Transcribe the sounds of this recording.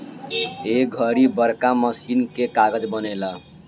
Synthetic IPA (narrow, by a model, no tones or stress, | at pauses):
ek̚ɡʱʌɾibʌɾkamʌsinkekaɡʌd͡zbʌnela